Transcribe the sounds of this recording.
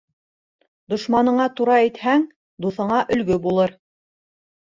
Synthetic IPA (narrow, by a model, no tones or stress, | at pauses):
d̪ŏʃmɑnɤ̆ɴɑt̪uɾɑɘt̪hæŋ | d̪uθɤ̆ɴɑʔɵ̆lɡɵbulˠɤɾ